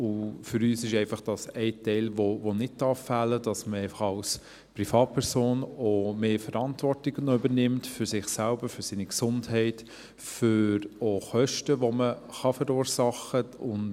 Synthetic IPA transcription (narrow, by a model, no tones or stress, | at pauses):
ʊfʏɾyːsɪʃɛɪfɑχd̥ɑsɛɪtɛɪlvovonɪt̚tɑːfːæləd̥ɑsməɛɪfɑχɑls | pɾifɑːt̚pʰɛɾsoːnomeːfəɾɑntvɔrtɪɡ̥ənʏbəɾnɪmtfʏɾsɪχsælbəɾfʏɾsiːniksʊndhɛɪt | føɾoχœʃtəʋoməχɑfəɾuːɾsɑχəʊn